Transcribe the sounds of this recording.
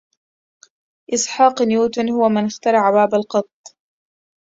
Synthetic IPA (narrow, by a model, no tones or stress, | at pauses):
ʔɪsˤħɑːqnjuːt̪ʊnhʊwamɪnɪxt̪ɑɾˤɑʕabaːbalqɑt̪ˤː